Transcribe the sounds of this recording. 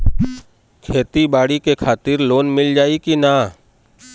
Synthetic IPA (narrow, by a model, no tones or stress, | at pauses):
kʰeːt̪ibaːɽikekʰaːt̪ɪɾloːnmɪld͡ʒaːikinaː